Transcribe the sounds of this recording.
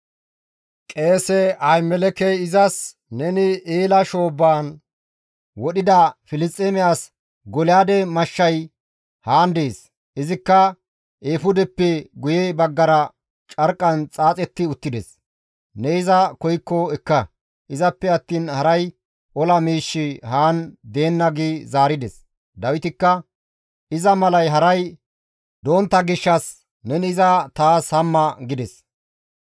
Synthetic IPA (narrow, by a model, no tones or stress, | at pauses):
kʼe̞ːsɛɐjmɛlɛkɛjɪzɐs | nɛnɪeːlɐʃo̞ːbːaːn | wɔɗɪd̪ɐfɪlɪst̪ʼːemɪjaːs | ɡɔlɪjaːd̪ɛmɐʃːɐj | haːnd̪eːs | ʔɪzɪkːɐ | ʔeːfʊd̪ɛpːɛɡʊjɛbɐɡːɐɾɐ | t͡ʃʼɐɾkʼːɐnt͡sʼaːt͡sʼɛt̪ːɪʊt̪ːɪd̪ɛs | nɛɪzɐkɔjkːɔɛkːɐ | ʔɪzɐpːɛɐt̪ːiːnhɐɾɐj | ʔɔlɐmiːʃːɪhaːnd̪e̞ːnːɐɡiːzaːɾɪd̪ɛs | d̪ɐwɪt̪ɪkːɐ | ɪzɐmɐlɐjɦɐɾɐj | d̪o̞ːnt̪ːɐɡɪʃːɐs | nɛnɪzɐt̪aːshɐmːɐɡɪd̪ɛs